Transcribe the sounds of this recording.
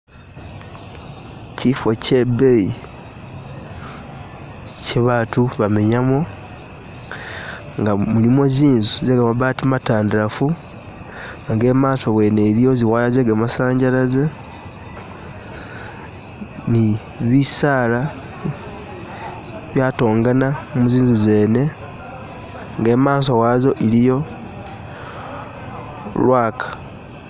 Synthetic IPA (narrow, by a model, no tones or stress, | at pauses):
cifo̞ce̞bei | ceβaːtuβame̞ɲamo̞ | ŋɡamulimo̞ziːnzuzeɡamaβaːtimataːndiɾafu | aŋɡe̞maːsowe̞ne̞lio̞ziwaːlazeɡamasaːɲɟaɾaze | ni | βisaːla | βjaːto̞ːŋɡanamuziːnzuze̞ːne̞ | ŋɡe̞ːmaːso̞wazo̞ʔilijo̞ | lwaːkḁ